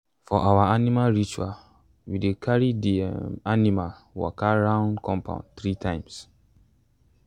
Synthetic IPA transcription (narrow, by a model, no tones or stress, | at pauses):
fɔʔawaanimalɹit͡ʃua̰ | widekʰaɹidianimal | wɔ̰kʰaɹãʊ̃nkʰɔ̃mpʰã̰ʊ̃nt̪ɹitʰãɪ̃ms